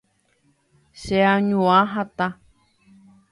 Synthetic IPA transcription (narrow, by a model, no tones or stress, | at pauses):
ʃeaɲũãɦat̪a